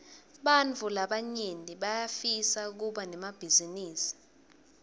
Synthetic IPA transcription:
ɓant͡fulaɓaɲeniɓajafisak̬uɓanɛmab̥ʱiziniːsi̥

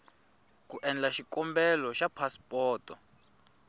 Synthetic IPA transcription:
kuʔɛnd͡ɮaʃikʼɔmbɛlɔʃapʰaspʼɔːtʼɔ

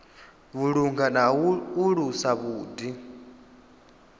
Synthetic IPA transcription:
βuɺuŋɡanauɺusaβuːdi

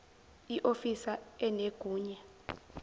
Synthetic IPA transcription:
iʔofisaɛneɡ̥ʱuːɲɛ

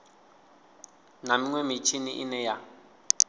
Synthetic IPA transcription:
namiŋwɛmit͡ʃʰiniʔḭnɛja

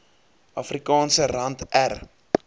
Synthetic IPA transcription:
ɐfrikɑːnsərɐntær

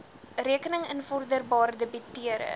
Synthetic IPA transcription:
riəkənəŋənfɔrdərbɑːrdəbitiəɾə̰

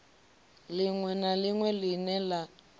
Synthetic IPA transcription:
liŋwɛnaliŋwɛlinɛla

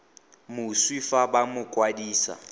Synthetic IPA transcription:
mʊswifabamʊkʼwadiːsa̰

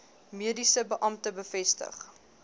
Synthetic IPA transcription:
miədisəbəʔɐmtəbəfɛstə̰χ

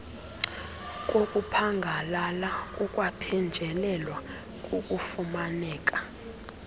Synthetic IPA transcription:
k̬ʼokʼupʰaŋɡʱalalakʼukʼwapʰɛnd͡ʒʱɛlɛlwa | kʼukʼufumanɛːkʼa

